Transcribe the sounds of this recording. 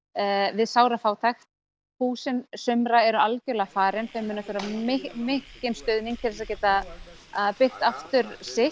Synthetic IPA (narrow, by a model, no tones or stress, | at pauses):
vɪðsaːwɾafaːwt̪ʰajxt̪ | huːsɪnsʏmɾaɛɾʏalcɛɾlɛɣafaːɾɪnθɛmːʏnːaθʏːɾamɪmɪhcɪnst̪ʏðniŋkt̪ʰɛɾlɪsaðcɛːt̪a | pɪht̪aft̪ʏɾsɪ